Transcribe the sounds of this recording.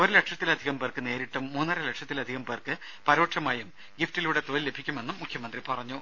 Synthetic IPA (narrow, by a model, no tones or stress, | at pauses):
oɾɨleʈʂɐt̪ːilɐd̪ʱiɣɐmpeːrkɨne̞ːɾiʈːumːuːnːɐrɐleʈʂɐt̪ːilɐd̪ʱiɣɐmpeːrkɨ | pɐɾoːʈʂɐmaːjum | ɡiftiluːɽe̞t̪oːlile̞bʱikʲːume̞nːumːukʰjɐmɐnd̪ripɐrɐɲːu